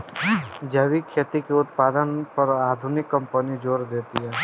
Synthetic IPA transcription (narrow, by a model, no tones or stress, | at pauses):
d͡ʒɐʋikʰːeːt̪ikeʊt̪paːd̪ənpɐɾaːd̪ʱʊnɪkːɐ̃mpənid͡ʒoːɾd̪eːt̪iɦɛː